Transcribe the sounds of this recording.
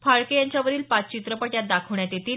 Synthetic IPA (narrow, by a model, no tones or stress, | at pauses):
faɭkejaɲt͡ɕjaʋəɾiːlpat͡st͡ɕit̪ɾəpəʈjat̪̚d̪akʰəʋɳjat̪jet̪ʰiːl